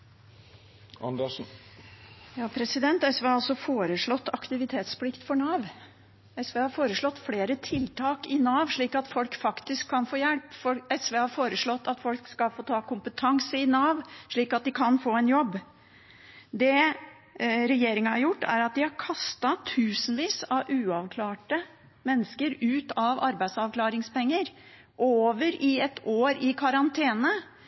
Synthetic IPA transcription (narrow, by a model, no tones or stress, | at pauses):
ɑ̰nd̪ɛʂn̩ | jɑːpʰɾɛsɪd̪ɛnt̪ɛsʋeːɑlsɔfoːɾəʂɭɔt̪ːɑkt̪ɪʋɪt̪ʰeːt̪splɪkt̪fɔɳɑːʋ | ɛsʋeːhɑɾfoːɾəʂɭɔt̪ːfleːɾət̪ʰɪlt̪ʰɑːkɪnɑːʋʂɭiːkɑt̪fɔlkfɑkt̪ɪskʰːɑnfoːjɛlpfɔlɛsʋeːhɑɾfoːɾəʂɭɔt̪ːɑt̪fɔlkskɑlfoːt̪ʰɑːkʊmpət̪ʰɑŋsəɪnɑːʋʂɭiːkɑt̪̚d̪ɪkʰɑnfoːɛnjɔbː | d̪ɛ | ɾɛjeːɾɪŋɑhɑɾjʊʈːæ̰ɾɑt̪̚d̪ɪhɑɾkʰɑst̪ɑt̪ʰʉːsnʋiːsɑʔʉːɑʋkʰlɑːʈə | mɛnːəskəɾʉːt̪ɑʋɑɾbæɪd̪sɑʋklɑːɾɪŋspɛŋːəɾ | ʔoːʋəɾɪɛt̪ʰoːɾɪkʰɑɾɑnt̪ʰeːnə